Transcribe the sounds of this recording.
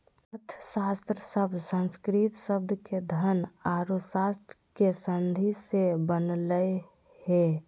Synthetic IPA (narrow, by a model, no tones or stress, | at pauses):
t̪ʰsast̪ɾəsəbd̪ʱsə̃nskɾit̪səb̚d̪ʱked̪ʱənaɾusast̪ɾəkesənd̪ʱisebənlə | he